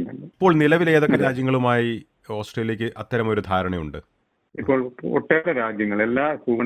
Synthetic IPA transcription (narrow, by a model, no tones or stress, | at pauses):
nɐlːɐipːo̞ːɭnilɐʋilejɐðo̞kːeɾaːd͡ʑjɐŋːɐɭumaːji | o̞ːsʈrɐjileːk̬ʲːɨʔɐt̪ːɐɾɐmo̞ɾud̪ʱaːɾɐɳɐjuɳɖɨ | ipːo̞ːɭoʈːeːɽɐɾaːd͡ʑjɐŋːɐɭelːaːkuːʋɐ